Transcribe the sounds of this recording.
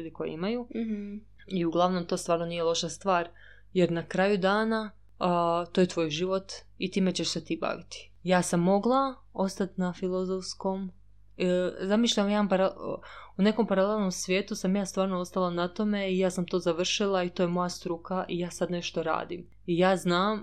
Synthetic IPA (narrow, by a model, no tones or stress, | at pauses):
uːd̪ikojḛimaju | iuɡlˠaʋno̞mt̪o̞ːst̪ʋaːɾno̞nijelˠo̞ʃast̪ʋaːɾ | jeɾnakɾaːjud̪aːna | t̪ojet̪ʋo̞ːjʒiʋo̞t̪ | it̪iːme̞t͡ɕeʃset̪iːba̰ʋit̪i̥ | jaːsamːo̞ɡlˠa | o̞st̪at̪nafilˠozofsko̞m | zamiʃʎaʋajaːpaɾaune̞ko̞mpaɾale̞lˠno̞msʋjeːt̪usamjaːst̪ʋaːɾnoo̞st̪alˠanat̪o̞me̞ijaːsamt̪o̞ːzaʋr̩ʃilˠait̪oːjemo̞jast̪ɾukaʔijaːsad̪ne̞ʃt̪oɾa̰ːd̪im | ijaːznaːm